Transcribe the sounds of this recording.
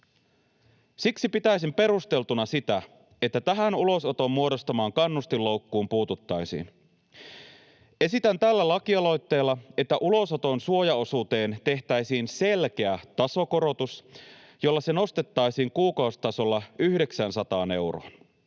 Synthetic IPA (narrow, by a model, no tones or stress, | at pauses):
siksipit̪æjsimpe̞ɾust̪e̞lt̪unɑsit̪æ | et̪ːæt̪æɦænulo̞so̞t̪o̞mːuo̞do̞st̪ɑmɑːŋkɑnːust̪ilːo̞ukːuːmpuːt̪ut̪ːɑjsḭːn | e̞sit̪ænt̪ælːælɑkiɑlo̞jt̪ːe̞ːlːɑe̞t̪ːæʔulo̞so̞t̪o̞nsuo̞jɑo̞suːt̪e̞ːnt̪e̞ht̪æjsiːnse̞lk̟e̞æt̪ɑso̞ko̞ɾo̞t̪us | jo̞lːɑse̞no̞st̪et̪ːɑjsiːŋkuːkɑust̪ɑso̞lːɑyhde̞ksænsɑt̪ɑːne̞wroɑn